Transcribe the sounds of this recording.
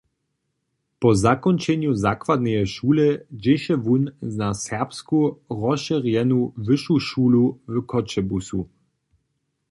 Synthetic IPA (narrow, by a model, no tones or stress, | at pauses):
pɔzakɔnt͡ʃɛɲjuzakwad̪̚nɛjɛʃuːlɛd͡ʑɛʃɛvunnasɛʁpskuʁɔʃɛʁjɛnuvɘʃuʃuːluvkʰɔt͡ʃɛbusu